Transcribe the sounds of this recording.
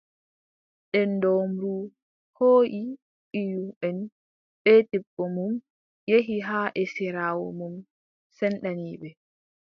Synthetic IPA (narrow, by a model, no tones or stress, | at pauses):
ɗɛndomɾu | hoːʔi | ɓijuɓɛn | ɓɛtɛbːɔmum | jeɦiɦaːʔɛsiɾaːwɔ̰mum | sɛnɗaniːɓɛ